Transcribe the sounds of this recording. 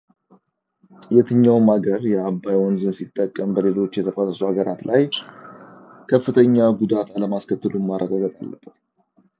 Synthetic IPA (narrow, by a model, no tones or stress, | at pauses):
jɛt̪ʰɨɲːawmaɡəɾjɛabːajwɔnzɨnsit̪ʼːəkʼːəmbəle̞lo̞t͡ʃːjɛt̪ʰəfʼasəsuhaɡəɾat̪lʔaj | kʰəfːɨt̪ʰəɲːaɡud̪at̪aləmaskʰət̪ːɨlumaɾʔəɡaɡət̪ʼa̰lːəbət̪